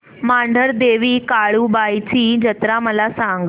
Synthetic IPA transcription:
maɳɖʱəɾd̪eʋiːkaɭuːbajt͡ɕiːd͡ʑət̪ɾaməlasaŋɡ

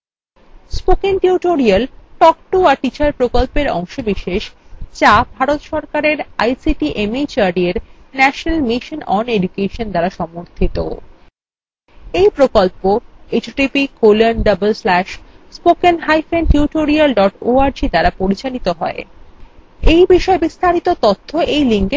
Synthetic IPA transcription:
spokenʈiuʈoɾialʈɔkʈuaɾʈit͡ɕaɾpɾokolpeɾɔ̰ŋʃobiʃeʃt͡ɕabʱaɾot̪ʃɔɾkaɾeɾajsiʈiʔemit͡ɕaɾɖieɾnɛʃonalmiʃonɔ̰ned͡ʑukeʃond̪aɾaʃɔmoɾt̪ʰit̪o̰ | ejpɾokolpoet͡ɕoʈipikolenɖɐbelslɛʃspokenɦajfenʈuʈoɾialɖɔʈoaɾd͡ʑid̪aɾapoɾit͡ɕalit̪oɦɔe | ejbiʃɔebist̪aɾit̪ot̪ot̪ʰːoʔejliŋke

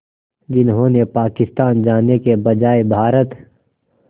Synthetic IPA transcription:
d͡ʒɪnɦõːnepaːkɪst̪aːnd͡ʒaːnekebɐd͡ʒaːebʱaːɾət̪

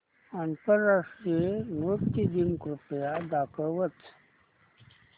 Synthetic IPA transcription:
antəɾːaʂʈɾienokt̪id̪inkɾupjad̪aːkəʋət̪

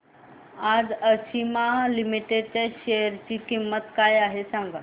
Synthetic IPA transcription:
ad͡zəɕimalimiʈeɖt͡ɕeɕejəɾt͡ɕiːkimːət̪kajaɦesãŋɡa

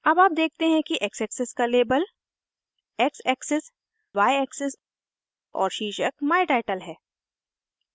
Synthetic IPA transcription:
ɐbaːp̚d̪eːk̚ʰt̪eɦɛ̃kiʔɛksɛksɪskaleːbəl | ɛksɛːksɪs | ʋaːjɛːksɪs | ɔ̰ːɾʃiːʃək̚maːɪʈaːɪʈəlɦɛː

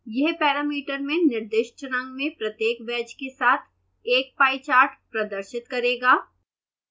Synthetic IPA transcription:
jɛɦpɛːɾaːmiːʈəɾmẽnɪɾd̪ɪʃt͡ʃɾə̃ŋɡmẽpɾɐt̪jeːkʋɛːd͡ʒkesaːt̪ʰ | eːk̚paːit͡ʃaːɾʈpɾɐd̪əɾʃɪt̪kɐɾeːɡaː

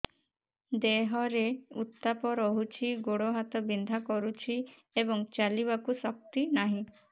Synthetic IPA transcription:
d̪eɦɔɾeut̪ːapɔɾɔɦut͡ʃʰiɡoɽoɦat̪ɔbind̪ʱakɔɾut͡ʃʰi | ebɔŋt͡ʃaliβakusɔk̚t̪inaɦĩ

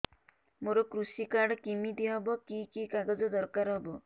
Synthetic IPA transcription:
moɾɔkɾusikaɽɔkimid̪iɦɔbɔkikikaɡɔd͡ʒɔd̪ɔɾkaɾɦɔbɔ

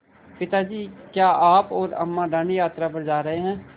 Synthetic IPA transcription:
pɪt̪ad͡ʒiːkjaːʔaːpɔːɾɐ̰mːãɖə̃ɳɖjaːt̪ɾapɐɾd͡ʒaːɾɐɦeɦɛ̃ː

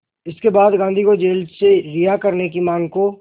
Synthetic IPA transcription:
ɪskebaːd̪ɡãːnd̪ʱikod͡ʒeːlseɾijakɐɾnek̬imãːŋɡko

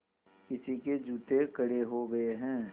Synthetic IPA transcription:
kɪsiked͡ʒuːt̪ekəɽeɦoːɡəeɦɛ̃ː

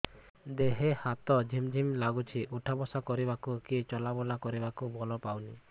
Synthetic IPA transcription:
d̪eɦehat̪ɔd͡ʒʱimd͡ʒʱimlaɡut͡ʃʰiʔuʈʰabɔsakɔɾibakukit͡ʃɔlabɔlakɔɾibakubɔlɔpawni

